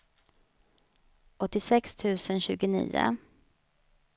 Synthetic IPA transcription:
ʔɔt̪ːɪsɛkst̪ʰʉ̟ːsənɕʉ̟ːɡʊnḭːʊ̰

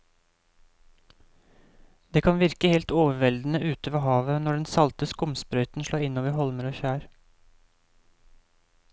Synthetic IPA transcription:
d̪̥eːkʰɑnʋɪɾkəheːlt̪oːʋəʋɛld̪n̩əʔʉːt̪əʋɑhɑːʋənɔɖɛnsɑlt̪əskʊmspɾœʏt̪n̩ʃloːɪnoːʋəhɔlməɾoːçæːɾ

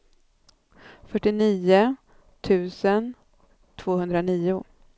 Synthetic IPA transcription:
fœʈːɪniːʊ | t̪ʰʉ̟ːsən | t̪ʰv̥oːhɵnd̪ɾaniːʊ

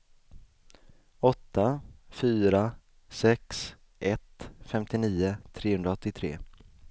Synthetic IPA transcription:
ɔt̪ːafyːɾa | sɛks | ʔɛt̪fɛmt̪ɪniːʊt̪ʰɾeːhɵnd̪ɾaɔt̪ːɪt̪ʰɾḛː

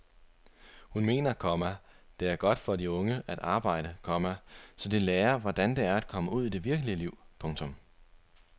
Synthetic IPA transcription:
hunme̝̰ːnɐkʰɒ̽mæd̥e̝æɐɡ̥ɒ̽d̥fɒ̽diɔ̽ŋəʔæd̥ɑ̈ːb̥ɑ̈ɪ̰ɾ̥əkʰɒ̽mæsɒ̽d̥e̝leːɐʋɒd̥ænd̥e̝æɐæd̥̚kʰɒ̽məuð̞̰ˠid̥e̝ʋiɐɡ̥əliəliʊ̰pʰɔ̽ŋt͡sʰɔ̽m

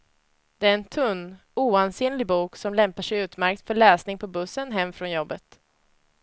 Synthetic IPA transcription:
d̪̥ɛæɾɛnt̪ʰɵnː | uːanseːnlɪɡbuːksɔmlɛmpaʂɛjʉ̟ːt̪mæɾk̚t̪fœɭɛːsnɪŋpʰɔbɵsːənɦɛmːfɾɔnjɔbːət̪

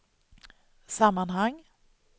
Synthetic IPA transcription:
samːanɦaŋː

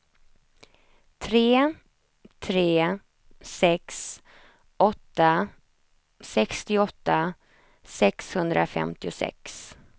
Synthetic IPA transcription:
t̪ʰɾeː | t̪ʰɾeː | sɛks | ʔɔt̪ːa | sɛkst̪ɪɔt̪ːa | sɛkshɵnd̪ɾʔa̰fɛ̰mt̪ɪʊsɛ̰ks

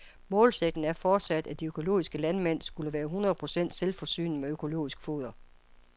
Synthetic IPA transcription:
mɔ̽ːlseɡ̥̚d̥n̩æɐfɒːd̥sæd̥æd̥iøkʰo̝lo̝̰ːisɡ̥əlænmen̰sɡ̥uləʋæːɐɦunʁɐð̩ˠpʰʁo̝sen̰d̥selfɒ̽sy̰ːnmeøkʰo̝lo̝̰ːisɡ̥fo̝ːðˠɐ

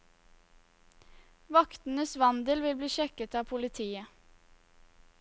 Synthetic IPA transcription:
ʋɑkt̪n̩əsʋɑnd̪əlʋɪlbliːʃɛkət̪ɑːpʰʊlɪt̪ʰiːə

